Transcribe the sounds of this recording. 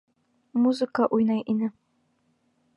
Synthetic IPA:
muzɨkaʔujnajʔinɨ

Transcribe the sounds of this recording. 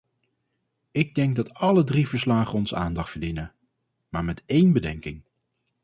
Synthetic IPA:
ɪɡ̚dɛŋɡ̚dɑtɑlədrivəɹslaːχəɔnzəaːndɑχtfəɹdinə | maːɹmɛtejnbədɛŋkɪŋ

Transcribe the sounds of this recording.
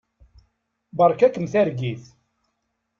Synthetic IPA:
bəɾˤkækəmθæɾɡiθ

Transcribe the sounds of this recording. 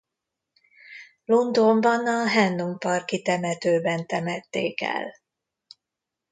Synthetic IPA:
lund̪ombɒnɒɦɛnːumpɒrkit̪ɛmɛt̪øːbɛnt̪ɛmɛt̪ːeːkɛ̰l

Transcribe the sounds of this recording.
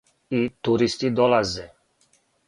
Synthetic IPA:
it̪uɾist̪id̪ɔlazɛ

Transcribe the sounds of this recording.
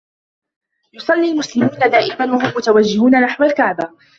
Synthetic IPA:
jʊsˤɑlːiːlmʊslɪmuːnad̪aːʔɪmanwaɦʊmːʊt̪awad͡ʒːɪhuːnanaħwalkaʕba

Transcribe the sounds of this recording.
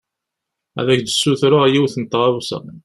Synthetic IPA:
æ̰ðækd̪əsːuθɾʊʁjiwθənt̪ːʁɑwsæ̰

